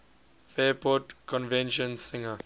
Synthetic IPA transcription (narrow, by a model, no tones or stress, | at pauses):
fɛːpʰɔtkʰɔ̃nvɛ̃nʃɔ̃nsɪ̃ŋə